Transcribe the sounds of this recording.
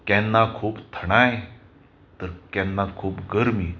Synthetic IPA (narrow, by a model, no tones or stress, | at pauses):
kɛ̃nːakʰuːpt̪ʰəɽ̃aj | t̪əɾkɛ̃nːakʰuːpɡəɾmiː